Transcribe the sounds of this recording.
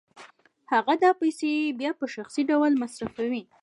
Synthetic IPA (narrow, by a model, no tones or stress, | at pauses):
haɣad̪ɑpajsebjɑpəʃaxsiɖawlmasɾafawi